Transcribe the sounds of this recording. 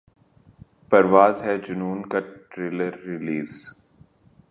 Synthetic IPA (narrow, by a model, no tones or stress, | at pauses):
pɐɾʋaːzɦɛd͡ʒʊnuːnkaʈɾɪləɾːɪliːz